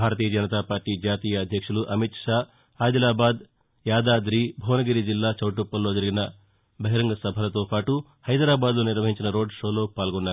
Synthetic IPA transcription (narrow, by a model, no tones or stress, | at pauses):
bʱaːɾɐt̪iːjɐd͡ʒɐnit̪aːpaːɾʈiːd͡ʒaːt̪iːjɐːd̪ʱjɐkʂuluʔɐmit̪ʂaː | d̪ilaːbaːd̪ | jaːd̪aːd̪ɾiːbʱoːnɐɡiɾid͡ʒilːaːt͡ʃɐwʈupːɐlːo̞ːd͡ʒɐɾiɡinɐ | bɐɦiɾɐŋɡɐsɐbʱɐlɐt̪oːpaːʈu | hɐjd̪ɾaːbaːd̪loːniɾʋɐɦiɲt͡ʃinɐɾo̞ːɖʂo̞ːlo̞ːpaːlɡɔnːaːɾu